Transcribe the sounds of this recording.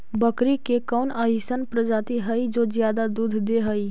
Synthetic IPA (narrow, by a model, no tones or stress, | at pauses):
bəkɾikekɔːnaɦisənpɾəd͡ʒaːt̪iɦəid͡ʒoːzjaːd̪ad̪uːd̪ʱd̪eɦəi